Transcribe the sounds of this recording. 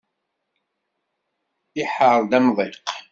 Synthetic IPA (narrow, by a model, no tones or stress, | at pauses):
ɪħəɾˤd̪æmðˤeq